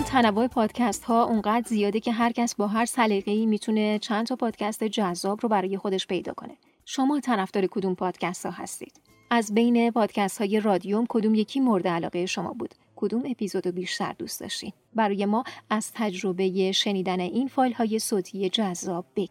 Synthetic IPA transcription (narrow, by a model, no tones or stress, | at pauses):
nt̪ʰænævoe̞pʰɒːd̪̥cʰæst̪hɒːʔuŋɢæːd̪zijɒːd̪ecʰe̞ɦæɾcʰæsbɒːɦæɾsæliɣe̞iːmit̪ʰune̞t͡ʃʰænt̪ʰɒpʰɒːd̪̥cʰæst̪ed͡ʒæzːɒːbɾobæɾɒːje̞xo̞d̪e̞ʃpʰe̞jd̪ɒ̰ːkʰo̞̰ne̞̥ | ʃo̞mɒːet̪ʰænæfd̪ɒːɾe̞kʰo̞d̪umpʰɒːd̪̥cʰæst̪hɒ̰ːɦæ̰st̪ḭːd̪̥ | ʔæzbe̞jne̞pʰɒːd̪̥cʰæst̪hɒːje̞rɒːd̪ijomkʰo̞d̪uːmjecʰiːmo̞ɾd̪eælɒ̰ːɣeeʃo̞mɒ̰buːd̪̥ | kʰo̞d̪ume̞pʰizo̞d̪obiːʃt̪æ̰ɾd̪ṵst̪d̪ɒ̰ʃt̪ḭn | bæɾɒːje̞mɒːæz̥t̪ʰæd͡ʒɾo̞be̞je̞ʃe̞niːd̪æne̞ʔinfɒːjlhɒːje̞soːt̪ʰije̞d͡ʒæzːɒːb̚ːeɡ